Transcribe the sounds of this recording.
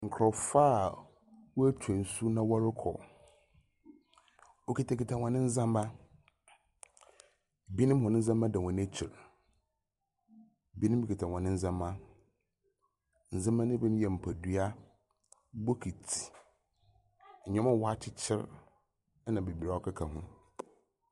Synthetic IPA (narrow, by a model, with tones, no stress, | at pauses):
ŋ̩˨kʰɾɔ˨fa˦˨ | wɔ˦æ˦tʰu˨ɛ˨n̩˨su˦nã˦wɔ˦ɾɪ˦kʰɔ̰˨ | o˦ki˨tʰa˨ki˨tʰã˨wã˨nɪ̃˦n̩˦zã˦mba˦ | bi˦nɪ̃˦mhɔ̃˨nɪ̃˦n̩˦zã˦mã˦dɛ˨ɔ̃˨nɛ˦t͡ɕʰɪ˨ɾ | bi˦nɪ̃˦mbi˦kʰi˨tʰã˨ɔ̃˨nɪ̃˦n̩˦zã˦mːã˦ | n̩˨zã˦mã˦nɪ̃˦bɛ˦ñ˦jɛ˨m̩˨pʰæ˨du˦a˦ | bo˦kʰi˨tʰi̥˨ | ɲɛ̃˦mã˦wɔ˦a˦t͡ɕʰɪ˦t͡ɕʰɪ˦ɾ | nã˨be˨bi˨ɾa˨ɔ˦kʰa˦kʰa˨ɦʊ̃˦